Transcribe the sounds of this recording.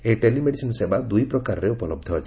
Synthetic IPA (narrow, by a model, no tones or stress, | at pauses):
eʈelimeɽisinsebad̪ujpɾɔkaɾɔɾeupɔlɔb̚d̪ʱɔːt͡ʃʰ